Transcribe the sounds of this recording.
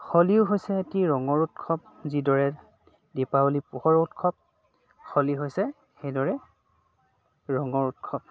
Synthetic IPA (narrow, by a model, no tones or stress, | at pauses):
xɔliʊɦojsɛetiɹɔŋɔɹutkʰɔp̚ | zidɔɹɛ | dipaulipuhɔɹutkʰɔp̚ | xɔliɦojsɛ | xejdɔɹɛ | ɹɔŋɔɹutkʰɔp̚